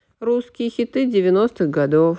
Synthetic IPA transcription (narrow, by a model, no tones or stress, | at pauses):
ruskʲɪjəxʲɪt̪ɨdʲɪvʲɪno̞st̪ɨɣɡɐd̪of